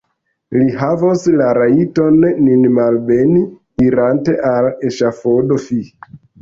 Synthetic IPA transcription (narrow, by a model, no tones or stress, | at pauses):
liɦavoslaɾaito̞nːinmalbeni | iɾante̞ʔaleʃafodofi